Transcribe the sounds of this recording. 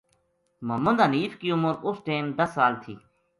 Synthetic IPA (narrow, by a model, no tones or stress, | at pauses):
məmund̪əniːfkiːʊməɾʊsʈeːmd̪əsːaːlt̪ʰḭː